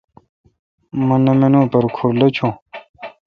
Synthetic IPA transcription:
mɐnɐmenõːpɐɾkʰuɾlɐt͡ɕʰõː

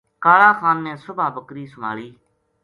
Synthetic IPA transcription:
kaːlaːxʰaːnːẽːsʊbʱaːbəkɾiːsʊma̰ːɭiː

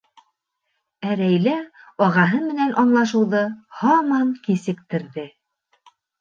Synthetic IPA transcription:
æɾæjlæɒʁɑɦɤmɘ̆nænʔɑnlˠɑʃɤ̆wðɤhɑmɑŋkisɘ̆kt̪ɘ̆ɾðɘ

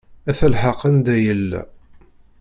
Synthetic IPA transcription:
æθəlħɑqːənd̪æjəlːæ̰

